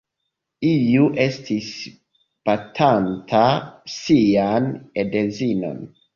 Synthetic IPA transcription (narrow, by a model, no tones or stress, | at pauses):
ijuʔe̞stʰis | patʰantʰasianedezino̰n